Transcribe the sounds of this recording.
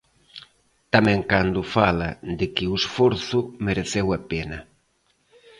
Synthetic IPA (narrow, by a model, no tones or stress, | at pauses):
t̪amɛ̃ŋkand̪ʊfalad̪ɪkɪʊesfɔɾθʊmeɾeθewapenɐ